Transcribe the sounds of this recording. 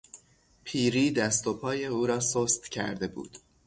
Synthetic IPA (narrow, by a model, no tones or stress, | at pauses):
pʰiːɾiːd̪æst̪o̞pʰɒːje̞uːɾɒːsoːst̪cʰæ̰ɾd̪e̞bṵːd̪̥